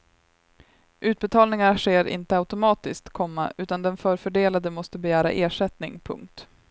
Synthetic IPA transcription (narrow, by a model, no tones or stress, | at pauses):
ʔʉ̟ːt̪̚bɛt̪ʰɑːlnɪŋaʂeːɾɪ̰nt̪əaʉt̪ʊmɑːt̪ɪskt̪kʰɔmːaʔʉ̟ːt̪and̪ɛnfœːɾfœɖeːlad̪əmɔst̪əbɛjæːɾa̰ʔeːʂɛt̪nɪŋpʰɵ̰ŋk̚t̪